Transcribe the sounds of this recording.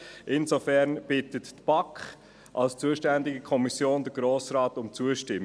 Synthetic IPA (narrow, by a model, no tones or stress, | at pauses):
ʔɪnsofɛɾnb̥ɪtətːb̥ɑkχ | ʔɑlst͡suəʃtændɪɡəkʰɔmisjoːndəɡ̥ɾoːsɾaːtʊmt͡suəʃtɪm